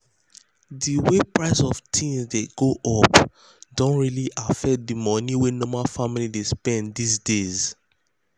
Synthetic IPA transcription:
diwepɹaɪsɔftʰĩnsdeɡ̥oʔɔp | dɔ̃ntɹiliʔafɛk̚dimɔniwɛnɔmafamilidespɛ̃ndis̬dez

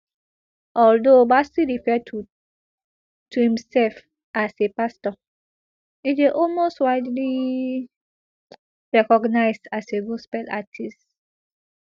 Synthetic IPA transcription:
ʔɔldobasiɹifɛt | tʰuhĩmsɛlf | asepastɔ | ideʔɔlmostwaɪdli | ɹɛkɔɡnaɪsdaseɡospɛla̰tʰist

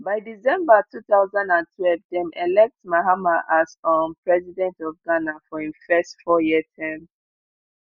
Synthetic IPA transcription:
baɪdizɛ̃mbatʰuθaʊzãndãntʰwɛlvdɛ̃mʔɛlɛk̚tmaɦamaʔasɔ̃npʰɹɛzidɛ̃ntɔfɡanafɔĩnfɛstfɔjiətʰɛ̃m

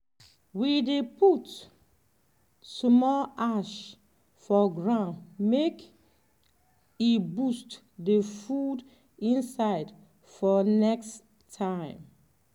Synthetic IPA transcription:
widepʰut | smɔlaʃ | fɔɡɹãndmek | ibust | defud | ĩnsaɪd | fɔnɛksʰ | ãɪ̃m

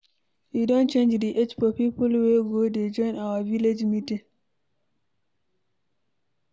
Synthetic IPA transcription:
ʔidɔ̃nt͡ʃend͡ʒdiʔet͡ʃfɔpipulweɡɔded͡ʒɔjnawaviled͡ʒmitɛ

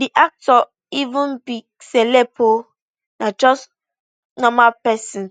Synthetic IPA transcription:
diʔak̚tɔ | ivũnbi | sɛlɛbo | nad͡ʒɔs | nɔmapɛsĩn

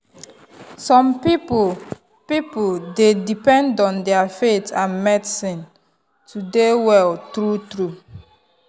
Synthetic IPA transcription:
sɔ̃mpip | pipoldedipɛ̃ndɔ̃ndɛafetʰãnmɛdsĩn | tʰudewɛltɾutɾu

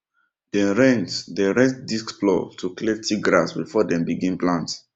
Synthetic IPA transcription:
d̥ɛ̃ɹɛ̃ntdɛɹɛ̃ntdiskblɔ̰tʰuklɛtʰiɡɾasbifɔdɛ̃mbiɡĩnplãnt

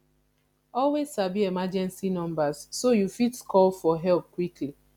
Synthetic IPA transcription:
ɔlwezsabiemad͡ʒɛ̃nsinɔ̃mbazːojufitkʰɔlfɔɦɛlp̚kwikʰli

